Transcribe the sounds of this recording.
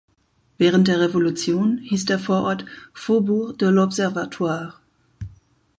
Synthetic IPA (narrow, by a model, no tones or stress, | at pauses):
v̥ɛːʁ̞əntd̥eːɐʁevolut͡sjoːnhiːsd̥eːɐfoːɐʔɔɐtfobuːʁd̥əlɔpzɛɐvatʰwaːʁ